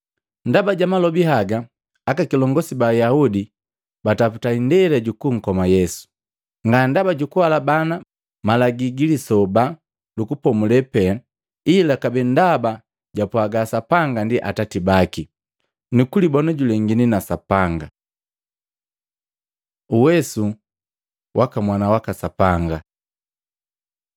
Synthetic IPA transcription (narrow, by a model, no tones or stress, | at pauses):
ndabaɟamalɔbiɦaɡaː | kakilɔŋɡɔsibajaudi | bataputaindɛlɛɟukuŋ̩kɔmajɛsu̥ | ŋɡandabaɟukuwalabana | malaɡiɡilisɔba | lukupɔmulɛpɛ | ilakabɛndaba | ɟapwaɡasapaŋɡandiʔa̰tatibaki | nukulibɔnɔɟulɛŋɡininasapaŋɡa | uwɛsu | wʔakamwanawakasapaŋɡa